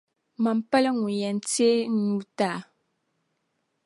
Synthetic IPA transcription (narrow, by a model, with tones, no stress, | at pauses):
ma˨m˨pɛ˦lɛ˦ŋu˨jɛ˨n˨te˦n̩˦ɲu˦ta˦˨